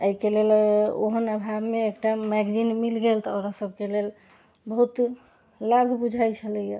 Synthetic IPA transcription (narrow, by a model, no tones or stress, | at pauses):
əjkelelo̰ɦənəbʱabmeːkʈamɛɡd͡ʒinmilɡelt̪ɔəɾasəbʱkelel | bəɦut̪ | labʱbud͡ʒʱajt͡ʃʰələja